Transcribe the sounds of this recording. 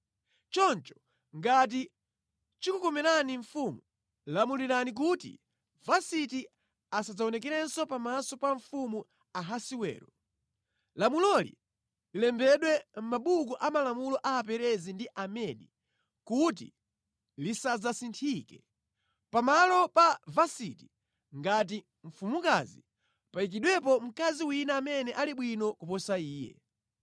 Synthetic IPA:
t͡ʃɔnt͡ʃɔ̥ | ŋɡat̬i | t͡ʃikukɔmɛɾaniɱ̩fumu | lamuliɾanik̬utḭ | vasiti | asad͡zaɔnɛk̬ɛɾɛnsɔpamasɔpaɱfumu | aɦasiwɛ̰ːɾɔ | lamulɔlḭ | lilɛmbɛɗwɛm̩maɓuk̬uʔamalamulɔʔaːpɛɾɛzindiʔamɛnḭ | kut̬ḭ | lisad͡zasintʰikɛ | pamalɔpavasiti | ŋɡat̬i | ɱ̩fumuka̰zi | paik̬iɗwɛp̬ɔm̩kaziwinaːmɛnɛʔaliɓwinɔkupɔsaiːjɛ̰

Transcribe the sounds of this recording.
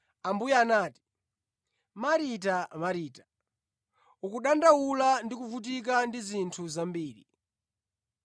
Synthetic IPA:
ambujɛaːnaːti̥ | maɾit̬amaɾiːtḁ | ukuɗandawulandikuvut̬ik̬andizintʰuzambiːɾḭ

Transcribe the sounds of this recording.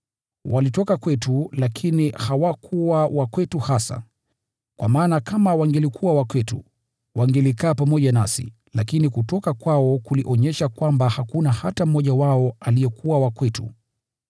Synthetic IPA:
walitɔkakwɛtulakʰinihawakʰuwawakwɛtuhasa̰ | kwamaːnakamawaŋɡɛlikʰuwawakwɛtṵ | waŋɡɛlikaːpamɔʄanasḭ | lakinikutɔkakwaɔkuliʔɔɲɛʃakwambahakunahatam̩mːɔʄawaɔalijɛkuwawakwɛtṵ

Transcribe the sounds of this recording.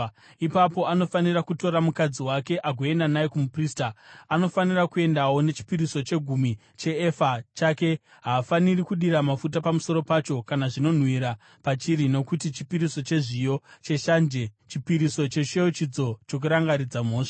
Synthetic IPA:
ipapo̞ano̞fanirakuto̞ɾamukad͡ziwake̞ʔaɡʱo̞e̞ndanaekumupriːstaano̞fanirakue̞ndawo̞ne̞t͡ʃi̥piɾiso̞t͡ʃe̞ɡʱumi | t͡ʃe̞ːfat͡ʃake̞ | ɦaːfanirikuɗiɾamafut̬apamuso̞ɾo̞pat͡ʃo̞kanaʐino̞n̤wiɾa | pat͡ʃiɾino̞kutit͡ʃi̥piɾiso̞t͡ʃe̞ʐijo̞t͡ʃe̞ʃand͡ʒet͡ʃipiɾiso̞t͡ʃe̞ʃejot͡ʃid͡zo̞t͡ʃo̞k̬uɾaŋɡaɾid͡zamo̞ːʂḁ

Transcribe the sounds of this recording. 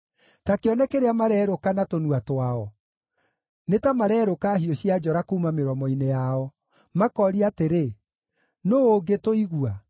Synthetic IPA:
takeɔnɛkeɾeamaɾɛːɾokanatonuatwaɔ | netamaɾɛːɾokaɦioɕiad͡ʒɔɾakoumameɾɔmɔinejaɔ | makɔɾiateɾe | noːoɡetoiɣua

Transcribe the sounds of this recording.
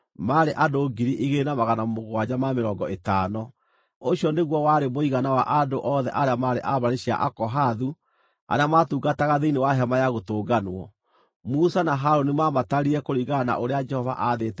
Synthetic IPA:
maɾeʔandoɡiɾiʔiɣeːnamaɣanamoɣwad͡ʑamameɾɔːŋɡɔetaːnɔ | oɕiɔneɣwɔwaɾemoiɣanawa̰ʔandoʔɔðɛ̰ʔaɾeamaɾḛʔaβaɾeɕia̰ʔakɔɦaðu | a̰ɾeamatuɡataɣaðeinewaɦɛmajaɣotoːɡanɔ̰ | musanaɦaɾonimamataɾiɛkoɾiɣana̰ʔoɾead͡ʒɛhɔva̰ʔaðetɛ

